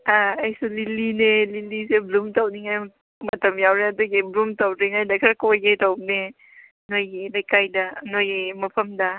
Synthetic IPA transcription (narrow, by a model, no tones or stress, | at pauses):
aajsulilineliliseblumtawniŋaj | mɐtɐmjawɾeadɔɡeblumtawɾeŋajdakʰɾakojɡetawne | nojenajkajdanojemapʰəmda